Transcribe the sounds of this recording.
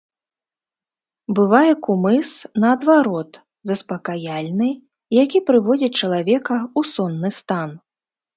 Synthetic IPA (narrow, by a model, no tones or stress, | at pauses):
bɨvajɛkumɨsnɐːd̪vaɾɔt̪ | zɐspɐkajalʲnɨ | jakʲipɾɨvɔd͡zʲit͡ʂɐlˠavʲɛkɐusɔnːɨst̪an